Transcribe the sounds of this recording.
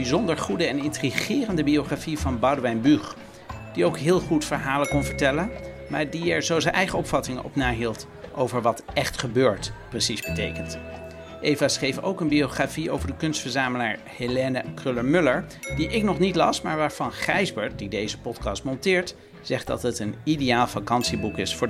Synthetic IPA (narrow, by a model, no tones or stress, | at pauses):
bizɔndəɹχudəɛnɪntriχɪːrəndəbioχrafivɑnbɑwdʋɛjnbyχ | d̥iowkɦɪːlˠχutfəɹɦaːləkɔnvəɹtɛlənmaːɹdiɛɹzowzənʔɛjχəɔpfɑtɪŋəɔ̰pnaːɦilˠt | ʔo̰wvəɹʋɑtɛχtχəbøːɹtprəsizbətḛjkənt | ʔejvasχejfo̰wkənbioχraːfio̰wvəɹdəkɵnstfəɹzaːməlaːɹ | helenəkrøləɹmʏləɹdiʔɪknɔχnitlɑsmaːɹʋaːɹv̥ɑnχɛjzbəɹtdidejzəpɔtkɑstmɔntɪːɹt | z̥ɛχt̚dɑ̰tɦətənidejaːlˠfakɑnsibukɪsfʊː